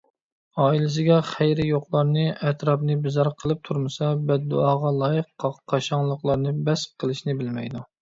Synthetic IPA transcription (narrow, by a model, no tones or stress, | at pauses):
ɑːilɪs̬ɪɡʲɛχæjɾɪjoqlˠɑɾnɨɛt̪ɾɑpnɨbɪzɑɾqʰəlˠɨp̚t̪ʰuɾmɨsɑbɛd̪̚ːuɑːʁɑlˠɑːjəqʰːɑqʰːɑʃɑŋlˠəqlˠɑɾnɨbɛs̚qʰəlˠɨʃnɪbɪlmɛjd̪u